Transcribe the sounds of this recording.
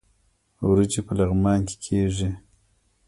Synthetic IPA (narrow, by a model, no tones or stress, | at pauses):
wɾut͡ʃipəlaɣmɑːnke̥kʰeʐi